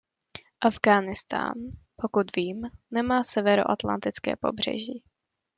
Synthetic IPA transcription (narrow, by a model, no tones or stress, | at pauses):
ʔavɡaːnɪst̪a̰ːnpo̞kut̪viːmːɛmaːsɛvɛɾo̰ʔat̪la̰nt̪ɪt͡skɛ̰ːpo̞̰br̝̥ɛ̰ʒiː